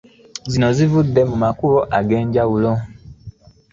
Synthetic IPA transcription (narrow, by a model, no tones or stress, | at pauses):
zino̞zivudːe̞mumakuloʔaɡe̞ːɲɟawulo̞